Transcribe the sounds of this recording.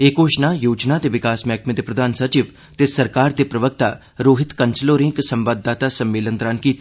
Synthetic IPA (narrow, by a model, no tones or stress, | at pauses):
eːkoːʃnajoːd͡ʒnat̪eʋɪkaːsmɛːkʰmẽːd̪eːpɾəd̪aːnsət͡ʃɪʋ | t̪esɐɾkaːɾd̪eːpɾəʋək̚t̪aː | ɾoːɦɪt̪kənsəloːɾɪ̃ŋksəmʋaːd̪ːaːt̪asɐmːeːlənt̪ɾaːnkiːt̪i